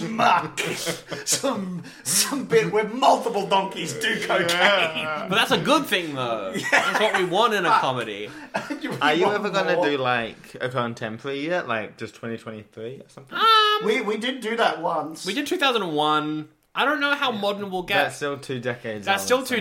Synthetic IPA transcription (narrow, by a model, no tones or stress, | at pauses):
mʌksʌ̃m | sʌ̃mbɪt̚wəmʌlˠtəpl̩ˠdɔ̃ŋkizdɨkʰoʊtʰeb̥ʌt̪̚ðætsəɡʊd̪̚θɪ̃ŋðoʊjæwʌʔ̚wiwɑ̃ntɨ̃nɨkʰɑmɨɾḭjə˞jɨɛvə˞ɡʌɪ̃nɨdɨlaɪkɨ̰kʰə̃ntʰɛ̃mpʰə˞ijɛʔla̰ɪk̚d̥ʒ̥ʌstʰw̥ɛ̃ñtitʰwɛ̃ñtiθɹiəsʌ̃mθʌmwiwidɪd̩ⁿd̥ɨðət̚wʌ̃nswidɨd̚tʰʉθaʊzə̃ndə̃nwʌ̃n | aɪɾõʊ̃nːoʊɦaʊmɑdⁿn̩əwəlˠɡɛætstɪlˠtʰʉdɛkeɪdzðætsstɪlˠtʰʉ